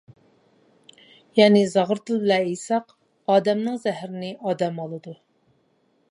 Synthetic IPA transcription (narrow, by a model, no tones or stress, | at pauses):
jɛːnɪzɑʁəɾt̪ʰɨlˠblɛejsɑq | ɑːd̪ɛmnɨŋzɛhɾɪnɪʔɑːd̪ɛmɑlˠɨd̪u